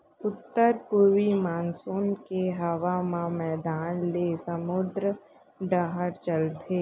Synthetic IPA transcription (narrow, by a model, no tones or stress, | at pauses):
ʊt̪ːəɾpuʋimaːnsoːnkeɦɐʋaːmãmɛːd̪aːnlesəmʊd̪ɾə | ɖaɦəɾt͡ʃəlt̪ʰeː